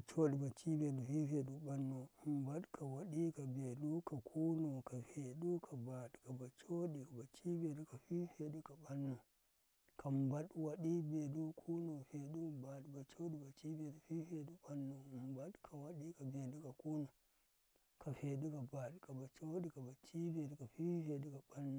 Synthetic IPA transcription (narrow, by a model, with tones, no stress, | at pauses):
t͡ʃo˦ɗi˨ba˨t͡ʃi˦be˨ɗu˨fi˦fe˨ɗu˨ɓa˦nːo˨mba˦ɗkʰa˨wa˨ɗi˦ka˨be˨ɗu˦ka˨kʰu˦no˨ka˨ɸe˨ɗu˦kʰa˨ba˨ɗka˨ba˨t͡ʃo˦ɗi˨ka˨ba˨t͡ʃi˦be˨ɗu˦ka˨ɸi˦ɸe˨ɗu˦ka˨ɓa˦nːo˨ | kʰa˨mba˦ɗwa˨ɗi˦be˨ɗu˦kʰu˦no˨ɸe˨ɗu˦ba˨ɗba˨t͡ʃo˦ɗi˨ba˨t͡ʃi˦be˨du˨˦ɸi˦ɸe˨ɗu˦ɓa˦nːo˨mba˦ɗkʰa˨wa˨ɗi˦ka˨be˨ɗu˦ka˨ku˦no˨ | ka˨ɸe˨ɗu˦ka˨ba˨ɗka˨ba˨t͡ʃo˦ɗi˨˦ka˨ba˨t͡ʃi˦be˨ɗu˨˦ka˨ɸi˦ɸe˨ɗu˦ka˨ɓa˦nːo˨